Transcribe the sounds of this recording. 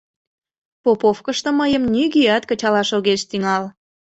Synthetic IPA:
popofkəʃt̪ə̆məjəmnyɣiɑt̪kət͡ɕɑlɑʃoɣeʃt̪yŋɑl

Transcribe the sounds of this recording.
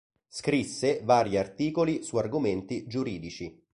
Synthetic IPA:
skɾisːevaːɾjiart̪iːkolisuarɡoment̪id͡ʒuɾiːd̪it͡ʃi

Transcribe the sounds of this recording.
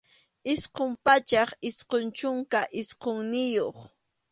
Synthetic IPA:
ɪsqompat͡ʃɑχɪsqont͡ʃʊŋkaʔɪsqoŋnɪjoχ

